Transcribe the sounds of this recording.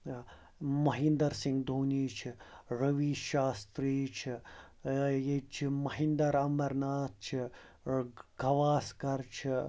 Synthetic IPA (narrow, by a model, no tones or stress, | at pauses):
mɐɦind̪ɐɾsiŋɡd̪ʱuːniːt͡ʃʰiɾɐʋiːʃaːst̪ɾiːt͡ʃʰi | jet͡ʃʰimɐɦind̪ɐɾɐmɐɾnaːt̪̚t͡ʃʰi | ɡʱɐʋaːskɐɾt͡ʃʰi